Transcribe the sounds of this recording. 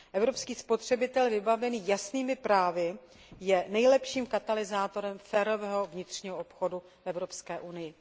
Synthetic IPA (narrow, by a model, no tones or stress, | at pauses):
ʔɛvɾo̞pskiːspo̞t̪r̝̥ɛbɪt̪ɛlvɪbavɛniːjasniːmɪpɾaːvɪ | jɛnɛjlɛpʃiːmkat̪alɪzaːt̪o̞ɾɛmfɛːɾo̞vɛːɦo̞vɲɪt̪r̝̥ɲiːɦoʔopxodu | fɛvɾo̞pskɛːʔunɪjɪ